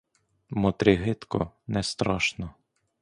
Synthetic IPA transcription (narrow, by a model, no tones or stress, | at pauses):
mɔt̪ɾʲɪɦɪt̪kɔ̰nɛst̪ɾaʃnɔ